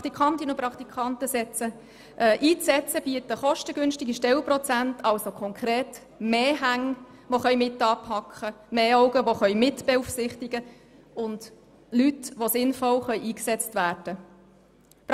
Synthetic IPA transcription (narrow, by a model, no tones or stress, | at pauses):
t̪ikʰɑnt̪inuprɑkt̪ikʰɑntəsɛt͡sə | ʔɛːʔiːt͡sɛt͡səb̥iətəχɔʃtəɡʏnʃtɪɡiʃtɛlprɔt͡sæntʰɑlsokʰɔŋkʰɾeːt | meːɦæŋ | ʋoχœʏmɪtːɑːpʰhɑkχəmeːɔʊɡəʋoχœʏmɪtb̥eufsɪχtiɡə | ʊnd | lytʋosɪnfɔlχœʏʔiːksɛt͡stvæːɾd̥ə | p